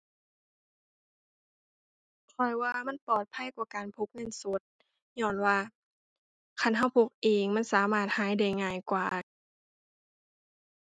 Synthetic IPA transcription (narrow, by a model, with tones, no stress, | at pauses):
kʰɔ˧˩jwaː˧ma˧˥˨npɔː˨˩t̪̚pʰa˧˥˨jkwaː˧˩kaː˨npʰo˧˥k̚me˧˥˨nso˧˦˥t̪̚ | ɲɔː˧˩˨nwaː˧˩ | kʰa˧˥˨nɦa˧˥˩wpʰo˧˦˩k̚ʔeː˨˩ŋma˧˥˨nsaː˨˦maː˧˩t̪̚haː˨˦jda˧˩jŋaː˧˩jkwaː˨˩